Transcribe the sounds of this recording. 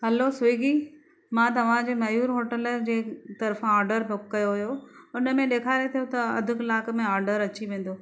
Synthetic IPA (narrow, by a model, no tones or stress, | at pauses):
ɦɐlosʊiɡi | mãːt̪ɐʋ̤ãd͡ʑeːmɐjuːɾɦoːʈəld͡ʑeːt̪ɐɾfãɔːɾɖəɾbʊkːɐjoɦʊjoʊnə̆mẽɗeːkʰaːɾet̪ʰijot̪ɐɐd̪ʱʊkɪlaːkmẽɔːɾɖəɾɐt͡ɕiʋẽːn̆d̪oː